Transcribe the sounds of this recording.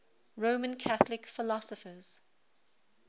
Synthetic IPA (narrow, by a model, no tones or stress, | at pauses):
ɹomə̃nkʰaθlɪkfɪlɔsəfəz̥